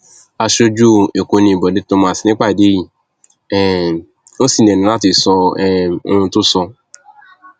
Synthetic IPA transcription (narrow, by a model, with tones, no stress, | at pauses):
a˧ʃo˧d͡ʒu˦e˨ko˧nĩ˧˨i˨bɔ˨de˨˦to˧˦mã˦˨si˨nĩ˦k͡pa˦˨i˨de˨˦ji˦˨ | ɛ˨ | o˦si˦˨n˨e˨nĩ˨˦la˦ti˧˨sɔ˧ɛ˦˨o˦ũ˧tʊ˦sɔ˧